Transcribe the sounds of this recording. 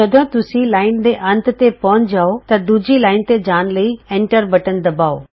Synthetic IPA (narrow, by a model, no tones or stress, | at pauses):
d͡ʒɐd̪õt̪ʊsilaːɪnd̪eʔɐ̃nt̪t̪epɐʊɲd͡ʑaːot̪ɐd̪uːd͡ʑʱilaːɪn̆t̪ed͡ʑaːnləiẽːɳʈəɾbɐʈənɪ̆d̪ɐbaːo